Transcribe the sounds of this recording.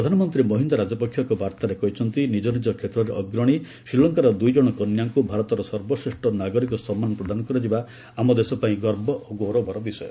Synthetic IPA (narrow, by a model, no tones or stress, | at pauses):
pɾɔd̪ʱanɔmɔnt̪ɾimɔɦind̪aɾad͡ʒɔpɔkʰjɔkɔbʱaɾt̪aɾekɔɦit͡ʃʰɔnt̪inid͡ʒɔnid͡ʒɔkʰːet̪ɾɔɾeʔɔɡɾɔɽ̃i | sɾilːɔŋkaɾɔd̪ujd͡ʒɔɽ̃ɔkɔnjaŋkubʱaɾɔt̪ɔɾɔsɔɾbɔsɾeʂʈɔnaɡɔɾikɔsɔmːanɔpɾɔd̪anɔkɔɾɔd͡ʒiba | amɔd̪esɔpaĩɡɔɾbɔʔoɡoɾobɔɾɔbisɔjɔ